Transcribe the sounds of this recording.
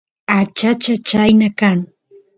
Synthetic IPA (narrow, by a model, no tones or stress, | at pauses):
at͡ʃat͡ʃat͡ʃajnakaŋ